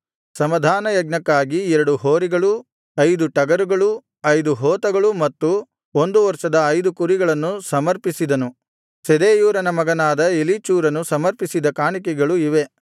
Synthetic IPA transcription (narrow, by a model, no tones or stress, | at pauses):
sɐmɐd̪ʱaːnɐjɐɡnɐkːaːɡiɛɾɐɽuɦoːɾiɡɐɭu | ɐjd̪uʈɐɡɐɾuɡɐɭu | ɐjd̪uɦɔːt̪ɐɡɐɭumɐt̪ːu | o̞nd̪uʋɐɾʃɐd̪ɐːjd̪ukuɾiɡɐɭɐnːusɐmɐɾpisid̪ɐnu | sɛd̪eːjuːɾɐnɐmɐɡɐnaːd̪ɐelit͡ʃuːɾɐnusɐmɐɾpisid̪ɐkaːɳik̬ɛɡɐɭuiʋe̞